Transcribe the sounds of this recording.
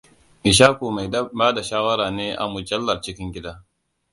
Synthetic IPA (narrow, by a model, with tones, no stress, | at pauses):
ʔɪ˨ʃaː˦kuː˨ma˨jbaː˦da˨ʃaː˦wɐ˦ɾaː˨neː˦ʔa̰˨mʊ˨d͡ʒɐ˦lːɐ˨rt͡ʃɪ˦kʲɪ˦ŋɡʲɪ˦daː˦